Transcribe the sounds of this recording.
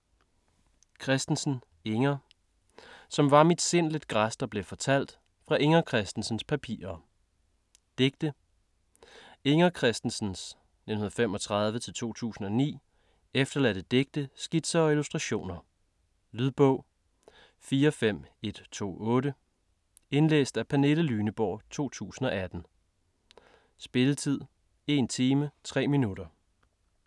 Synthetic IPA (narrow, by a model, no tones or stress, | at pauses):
kʰʁɛsd̥n̩sn̩ | eŋɐ | sɒ̽mʋɑ̈mid̥se̝n̰led̥ɡ̥ʁasd̥ɒb̥le̝fɒ̽t͡sʰæl̰d̥ | fʁɑ̈ʔeŋɐkʰʁɛsd̥n̩sn̩spʰæpʰḭːɐ | d̥eɡ̥̚d̥ə | e̝ŋɐkʰʁɛsd̥n̩sn̩s | nenhunðˠfem̰ɒ̽t͡sʰʁɑ̈ð̞ˠʋət͡sʰe̝lt͡sʰo̝̰ːt͡sʰṵːsn̩ɒ̽nḭː | efd̥ɐlæd̥əd̥eɡ̥̚d̥əsɡ̥id̥sɐɒilusd̥ʁɑɕo̝̰ːnɐ | lyðˠb̥ɔʊ̰ | fiːɐɒfem̰e̝d̥t͡sʰo̝̰ːɔ̽ːɾə | e̝nlḛːsd̥æpʰæne̝ləlyːnəb̥ɒ̰ːt͡sʰo̝̰ːt͡sʰṵːsn̩ɒ̽ʔæd̥n̩ | sb̥e̝lət͡sʰið̞̰ˠ | e̝nt͡sʰiːmət͡sʰʁɛ̰ːminud̥ɐ